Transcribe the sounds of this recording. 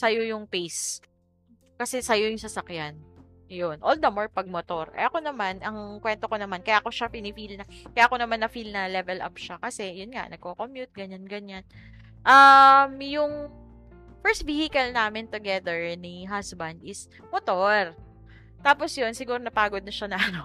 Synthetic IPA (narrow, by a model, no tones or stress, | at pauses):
sɐjojʊŋpejs | kɐsɛsɐjojʊŋsɐsɐkjan | jonʔold̪ɐmoɹpɐɡ̚mot̪o̞ɾɛ̰ʔɐko̞nɐmanʔɐŋkwɛnt̪okonɐmankɐjaːko̞ʃapɪnɪfilnɐkɐjaːʔkonɐmanːɐfilnɐlɛvɛlʔa̰p̚ʃakɐsɛjʊnŋa̰ʔnɐɡ̚kokomjut̪̚ɡɐɲanɡɐɲan | ʔɐmjʊŋ | fɛɹst̪̚vihɪkɐlnaːmɪnt̪ʊɡɛd̪ɛɹniɦasbɐnd̪ɪs | mot̪oɾ | t̪aːposjonsɪɡuːɾonɐpaːɡod̪̚nɐʃanɐʔɐno